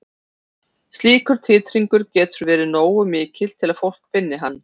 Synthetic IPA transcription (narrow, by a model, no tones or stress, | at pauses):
st̪liːkʏɾ̥t̪ʰɪːt̪ɾiŋkʏɾcɛːt̪ʏɾvɛːɾɪnoːwʏmɪːcʰɪl̥t̪ʰːɪlaðfowl̥kfɪnːɪɦanː